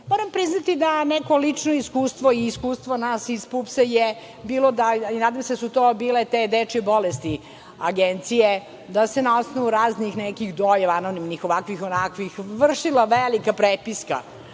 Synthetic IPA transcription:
moːɾampɾiznat̪id̪aneko̞lit͡ʂnoiskuːst̪ʋoiːskuːst̪vʋonasispupseje | biːlˠod̪ainaːd̪ajmsed̪asut̪obiːlet̪ed̪et͡ʃebolest̪i | aɡent̪sije | d̪asenao̞snoʋuɾaːznixnɛkixd̪ojeʋanonimnixoʋakʋixonakʋixʋr̩ʂilˠaʋelikapɾepiska̰

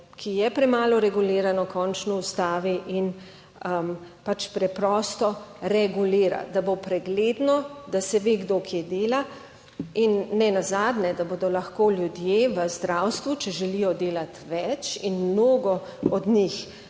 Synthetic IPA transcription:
kʰijɛpɾɛmaːlɔɾɛɡuleːɾanɔkʰɔnt͡ʃnɔust̪aːʋiʔin | əmpat͡ʃpɾɛpɾɔst̪ɔɾɛɡuliːɾa̰d̪abopɾɛɡleːd̪nɔd̪asɛʋeɡd̪okʰjed̪eːla | inːɛnazaːd̪nɛd̪aboːd̪ɔlaxkoːlʲjud̪jeʋəzd̪ɾawst̪ʋut͡ʃɛʒɛlijɔd̪eːlat̪ʋɛt͡ʃinmnoːɡɔ | ɔd̪nix

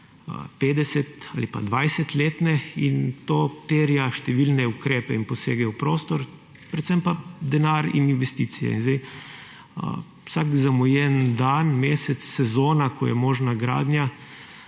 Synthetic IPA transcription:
peːd̪ɛsɛt̪aːlipa̰d̪ʋajsɛt̪leːt̪nɛint̪oːt̪eːɾjaʃt̪ɛʋilnɛukɾeːpɛinpɔseːɡɛwpɾoːst̪ɔɾ | pɾɛt̪sɛmpad̪ɛnaːɾḭninʋɛst̪iːt̪sijɛ̰inzd̪ɛj̰ | sakzamɔjɛnd̪aːnmeːsɛt̪sːɛzoːnakɔjɛ̰moːʒnaɡɾa̰ːd̪nʲja

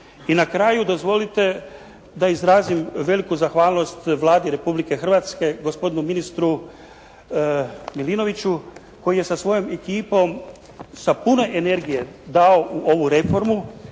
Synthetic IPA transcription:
inakɾaːjud̪ozʋo̞lit̪e̞ | d̪aizɾaːzimʋe̞likuzaxʋaːlˠno̞st̪ʋlˠaːd̪iɾe̞publike̞xrʋat̪ske̞ɡo̞spo̞d̪inuminist̪ɾu | milino̞ʋit͡ɕu | ko̞jije̞sasʋo̞jome̞kiːpo̞m | sapune̞ʔene̞ɾɡije̞d̪ao̞ʔuʔo̞ʋuɾe̞fo̞ɾmu

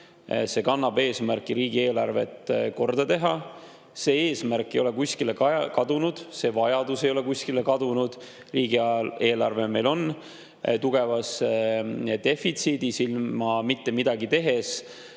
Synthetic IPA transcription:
se̞kɑnːɑbe̞ːsmærkːˑiɾiːɡ̥ie̞ːlɑrve̞̰t̪ko̞rd̪̥ɑt̪e̞ɦɑ | se̞ːe̞ːsmærkˑːejo̞le̞kusʲkile̞kɑkɑd̪̥unud̪̥se̞vɑjɑd̪̥use̞jo̞lekuskile̞kɑd̪unud̪̥ | riːɡiɑe̞ːlɑrve̞me̞jlo̞n | t̪uɡ̥e̞vɑsed̪̥e̞fit̪siːd̪̥isilmɑmit̪ːe̞mid̪̥ɑɡit̪e̞ɦe̞s

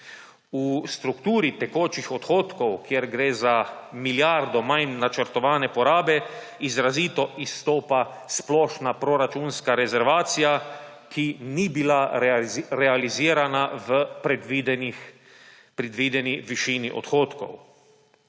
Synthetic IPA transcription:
ust̪ɾukt̪uːɾit̪ɛkoːt͡ʃixɔt̪xoːt̪kɔwkjeɛɾɡɾeːzamiljaɾd̪ɔmajnːat͡ʃəɾt̪ɔʋaːnɛpɔɾaːbɛ | izɾaziːt̪ɔʔist̪oːpa | splɔʃnapɾɔɾat͡ʃuːnskaɾɛzɛɾʋaːt̪sija | kinibila | ɾɛaliziːɾanaʋəpɾɛd̪id̪ni | pɾɛd̪ʋiːd̪ɛniʋiʃiːniʔɔ̰t̪xoːt̪kɔ̰w

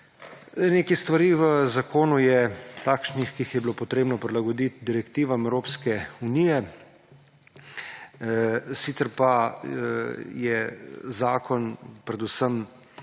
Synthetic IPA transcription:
neːkɛst̪ʋaɾiʋəzakʰoːnujɛt̪aːkʃnixkiːxjɛbiloːpɔt̪ɾeːbnɔpɾilaɡɔd̪it̪̚d̪iɾɛkt̪iːʋamɛwɾoːpskɛunijɛ | siːt̪sɛɾpa | jɛzaːkɔnpɾɛd̪usəm

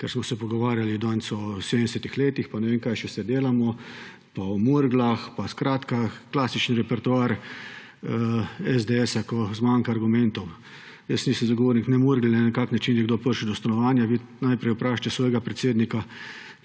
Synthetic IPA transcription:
kɛɾsmɔsɛpɔɡɔʋaːɾjalid̪ansɔsed̪ənd̪ɛsɛt̪ixleːt̪ixpanɛʋeːmkajʃɛsɛd̪eːlamɔ | paɔmuɾɡlaxpaskɾaːt̪kaklaːsit͡ʃniɾɛpɛɾt̪uaːɾ | ɛzd̪eɛsakɔzmaŋkaːɾɡumɛnt̪ɔw | jəsniːsəmzaɡoʋoːɾniknɛmuɾɡlnɛnɛkaknat͡ʃinjɛɡ̚d̪opəɾʃid̪ɔst̪anɔʋaːnjaʋinajpɾɛjupɾaʃt͡ʃ̪ɛsʋɔːjɛɡapɾɛt̪seːd̪nika

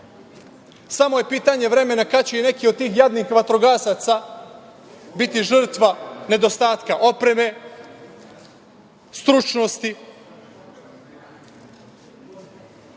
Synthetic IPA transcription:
samoje̞piːt̪aɲe̞ʋɾe̞me̞nakat͡ɕeine̞kiod̪̚t̪iːxjad̪nixʋat̪ɾoɡaːsat̪sa | bit̪iʒr̩t̪ʋane̞d̪o̞st̪aːt̪kaʔo̞pɾe̞me̞ | st̪ɾut͡ʃnost̪i

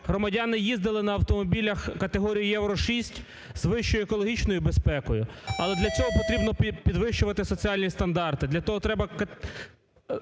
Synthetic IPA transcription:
ɦɾɔmɐdʲɑnɪjizd̪ɪlˠɪnɐːwt̪ɔmɔbʲilʲɐxkɐt̪eɦɔɾʲijijɛwɾɔʃisʲtʲ | zʋɪʃt͡ʃɔjʊekɔlˠɔɦʲit͡ʃnɔjʊbespɛkɔjʊɐlˠɛd̪lʲɐt͡sʲɔɦɔpɔt̪ɾʲibnɔpʲid̪ʋɪʃt͡ʃʊʋɐt̪ɪsɔt͡sʲiɑlʲnʲist̪ɐnd̪ɑrt̪ɪd̪lʲɐt̪ɔɦɔt̪ɾɛbɐkɐ

